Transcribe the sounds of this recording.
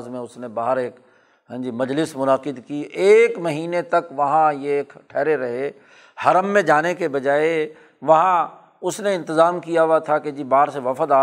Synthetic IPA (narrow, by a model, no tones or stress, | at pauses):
zmẽʊsnẽbaːɦəɾeːk | ɦɛ̃d͡ʒimɐd͡ʒlɪsmʊnaqɪd̪kieːkmɐɦiːnet̪ɐkʋɐɦãjeːkʈʰɛːɾeɾɐɦe | hɐɾəmːẽd͡ʒaːnekebɐd͡ʒaːe | ʋɐɦã | ʊsneɪ̃nt̪ɪzaːmkijaʋat̪ʰaked͡ʒibaːɾseʋɐfəd̪aː